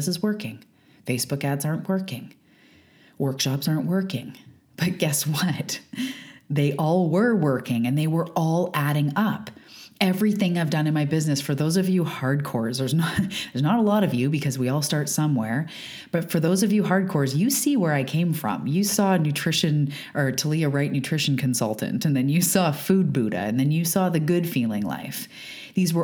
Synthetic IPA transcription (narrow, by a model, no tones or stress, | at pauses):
səzwɜ˞kɪ̃ŋ | feɪsb̥ʊkædzɑɹnʔwɜ˞kɪ̃ŋ | wɜ˞kʃɑpsɑɹnʔwɜ˞kɪ̰̃ŋ | b̥ʌt̚ɡ̥ɛswʌt | ðeɪʔɔlˠwə˞wɜ˞kɪ̃ŋɨ̃nðeɪwə˞ɔlˠʔæɾɪ̃ŋʌpɛvɹiθɪ̃ŋaɪvdʌ̃nɨ̃nmaɪbɪznɨsfə˞ðoʊzʌvjɨhɑɹd̚kʰɔɹzðə˞znðə˞znəɾəlɔɾʌvjɨbɨkʰʌzwiɔlˠstɑɹtsʌ̃mwɛ̰ɹ | b̥ʌtfə˞ðoʊzʌvjɨɦɑɹd̚kʰɔɹzjɨsiwə˞aɪkʰẽɪ̃ɱfɹʌ̰̃mjɨsɔɨnʉtʰɹ̥ɪʃɨ̃n | ʔə˞tʰəlˠiɨɹaɪʔⁿnʉtʰɹ̥ɪʃn̩kʰɨ̃n̩sʌ̰lˠtɨ̰̃ntɨ̃nðɨ̃njɨsɔfud̚buɾɨ̰ɨ̰̃nðɨ̃njɨsɔðɨɡʊdfilˠɪ̰̃ŋla̰ɪf | ðizwə˞